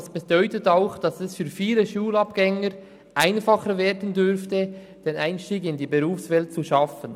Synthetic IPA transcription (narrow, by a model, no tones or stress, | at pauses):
sb̥ed̥ɔʏtətaʊxd̥ɑsɛsfyːɾfiːləʃuːlɑpɡ̥ɛŋəɾ | ʔaɪnfɑχəɾveːɾdən̩dʏɾftə | d̥eːnaɪnʃtiːɡɪndiːbeʁuːfsvɛlt̚t͡suʃɑfən